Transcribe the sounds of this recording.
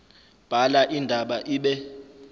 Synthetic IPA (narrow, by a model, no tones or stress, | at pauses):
b̥ʱalaʔindʱaɓaʔiːɓɛ